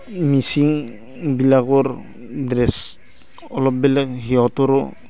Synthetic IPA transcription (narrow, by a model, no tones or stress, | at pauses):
misiŋ | bilaɡɔɾ | dɾɛs | ɔlɔp̚bɛlɛkɦiɔtɔɾɔ